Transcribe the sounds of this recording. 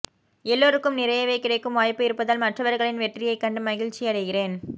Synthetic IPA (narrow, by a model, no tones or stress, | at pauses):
ɛlːoːɾɯkːɯmnɪɾɐjɐʋɐɪkːɪrɐɪkːɯmʋaːjpɯɪɾɯpːɐðaːlmɐʈrɐʋɐɾɣɐɭɪnʋɛʈrɪjɐɪkːɐɳɖɯmɐɣɪɻt͡ʃːiɐɽɐɪɣɪreːn